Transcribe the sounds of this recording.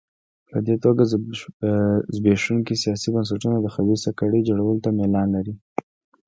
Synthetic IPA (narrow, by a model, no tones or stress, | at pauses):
pəd̪et̪oɡa | zbeʂuŋkisijɑsibəns̬aʈunod̪əxawisakaɽəd͡ʒoɽawəlt̪amelɑnlaɾi